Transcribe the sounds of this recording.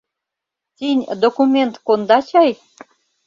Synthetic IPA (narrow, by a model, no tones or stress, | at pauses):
t̪ʲinʲd̪okumʲent̪kond̪ɑt͡ɕɑj